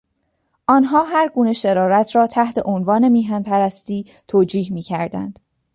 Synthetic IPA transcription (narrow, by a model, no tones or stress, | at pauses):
ʔɒːnɦɒːɦæɾɡuːne̞ʃeɾɒːɾæt̪ʰɾɒːt̪ʰæht̪ʰe̞ʔonvɒːne̞miːɦænpʰæɾæst̪iː | t̪ʰoːd͡ʒiːhmiːcʰæɾd̪æ̰nd̪̥